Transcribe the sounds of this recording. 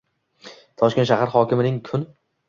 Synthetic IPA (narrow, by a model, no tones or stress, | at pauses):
t̪ʰɒʃkʲenʃahaɾχɒkʲɪmɪnɪŋkʰʊn